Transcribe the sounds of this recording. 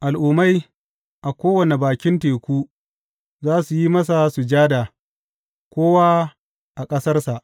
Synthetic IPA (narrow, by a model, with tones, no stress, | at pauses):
ʔa˨lʔu˨ma˦j | ʔa˨kʷoː˦wɐ˨ne˨baː˨kʲɪ˦nteː˨kʷuː˦ | zaː˦su˨ji˦mɐ˦s̬a˨su˨d͡ʒaː˦da˨ | kʷoː˦waː˦ | ʔa˨kʼɐ˦sɐ˦rsa˨ʔ